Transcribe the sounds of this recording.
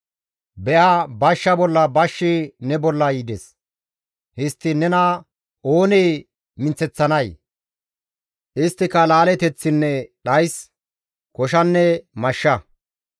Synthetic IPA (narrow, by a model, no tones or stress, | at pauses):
bɛʔabɐʃːɐbɔlːɐbɐʃːɪnɛbɔlːɐjiːd̪ɛs | hɪst̪ːɪnɛnɐ | oːnej | mɪnt͡sːɛt͡sːɐnɐj | ʔɪst̪ːɪkɐlaːlɛt̪ɛt͡sːɪnːɛɗɐjs | kɔʃɐnːɛmɐʃːɐ